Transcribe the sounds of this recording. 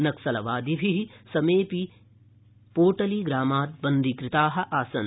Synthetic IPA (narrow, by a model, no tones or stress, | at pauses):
nɐksɐlɐʋaːd̪ibʱiɦisɐmeːpi | poːʈɐliɡɾaːmaːt̪̚bɐnd̪ikɾɪt̪aːɦɐ̆ʔaːsɐn